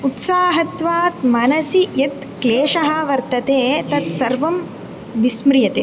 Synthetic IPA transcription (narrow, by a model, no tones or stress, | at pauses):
ut̪saːɦɐt̪ʋaːt̪mɐnɐsiet̪kleːʂɐɦɐʋɐɾt̪ɐt̪eːt̪ɐt̪sɐɾʋɐm | ʋismɾɪjɐt̪eː